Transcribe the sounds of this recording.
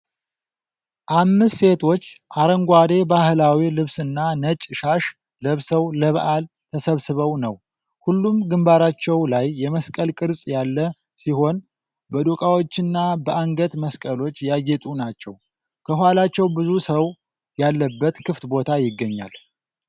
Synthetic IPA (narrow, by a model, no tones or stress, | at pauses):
ʔamːɨst̪se̞t̪ʰo̞t͡ʃːʔaɾəŋɡʷad̪e̞bahlawilɨβsɨnːanət͡ʃʼʃaʃ | ləβsəwləβʔal | t̪ʰəsəβsɨβəwnəw | hulːumɡɨmbaɾat͡ʃːɛwlajːɛməskʼəlkʼɨɾsʼjalːə | siho̞n | bəd̪okʼawot͡ʃːɪnːabəʔaŋɡət̪məskʼəlo̞t͡ʃːjajɛt̪ʼunat͡ʃːɛw | kʰəhuhalat͡ʃːɛwbɨzusəw | jalːəbːət̪kʰɨft̪bo̞t̪ʰajɪɡːəɲːa̰l